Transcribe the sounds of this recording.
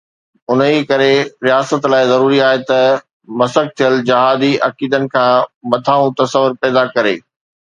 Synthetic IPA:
ʊnikɐɾeɾijaːsət̪laːɪzɐɾuːɾiaːɦet̪ɐ | mɐsək̚t̪ʰijəld͡ʑɐɦaːd̪iʔɐkiːd̪ənɪ̆kʰãːmɐt̪ʰaːũt̪ɐsəʋʊɾpɛːd̪akɐɾeː

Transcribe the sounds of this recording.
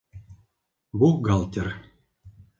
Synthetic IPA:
buɡɑlˠt̪ʲɘ̆r

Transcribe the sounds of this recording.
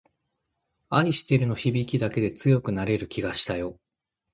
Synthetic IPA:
aiɕi̥t̪e̞ɾɯ̟no̞çibʲikʲid̪ake̞d̪e̞t͡sɨjo̞kɯ̟naɾe̞ɾɯ̟kʲiɡaɕi̥t̪ajo̞

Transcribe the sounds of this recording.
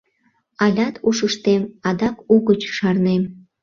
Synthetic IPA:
ɑlʲɑt̪uʃəʃt̪emɑd̪ɑkuɣət͡ɕʃɑrnem

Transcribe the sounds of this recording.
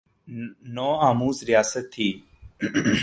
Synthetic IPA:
nõːaːmuːzɾɪjaːsət̪ʰːiː

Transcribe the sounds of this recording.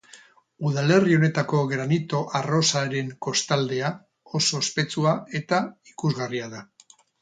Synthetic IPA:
uðale̞rio̞ne̞t̪ako̞ɣɾanit̪o̞ʔaro̞saɾe̞ŋko̞st̪ald̪e̞a | o̞so̞espe̞t͡suae̞t̪aikuzɣariaða

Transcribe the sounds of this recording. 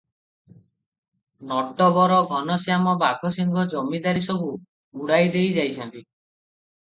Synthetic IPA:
nɔʈːɔbɔɾɔɡʱɔnɔsijamɔbaɡʱɔsiŋɡʱɔd͡ʒɔmid̪aɾisɔbu | uɽajd̪ejd͡ʒajt͡ʃʰɔnt̪i

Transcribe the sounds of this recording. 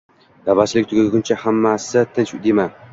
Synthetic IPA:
d̪̥abaslɪk̚ʲt̪ʰʊɡʲɪɡʲʊnt͡ʃʰahamːasɪt̪ʰɪnt͡ʃd̪ema

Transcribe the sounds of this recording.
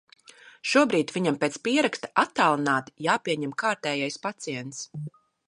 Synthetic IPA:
ʃuɔbɾiːt̪viɲampeːt̪spiɛɾakst̪ḁʔat̪ːaːlˠinaːt̪jaːpiɛɲɛmkaːɾt̪ɛːjajspat̪siɛnt̪s

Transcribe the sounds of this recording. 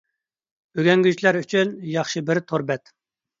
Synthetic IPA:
øɡʲɛŋɡʲyt͡ʃlæɾyt͡ʃʰynjɑχʃɨbɪɾt̪ʰoɾbɛt̪

